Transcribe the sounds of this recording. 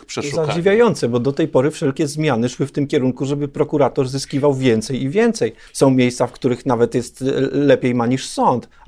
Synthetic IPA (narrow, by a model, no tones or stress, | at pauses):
pʂɛzad͡ʑivʲjajɔnt̪sɛbɔd̪ɔt̪ɛjpɔɾɘfʂɛlkʲɛzmʲjanɘʂwɘft̪ɘmkʲɛɾuŋkuʐɛbɘpɾɔkuɾat̪ɔɾzɘskʲivawvʲjɛnt̪sɛjivʲjɛnt̪sɛj | sɔ̃w̃mʲjejst̪safkt̪uɾɘxnavɛt̪jɛst̪lɛpʲejmaɲiʂsɔnt̪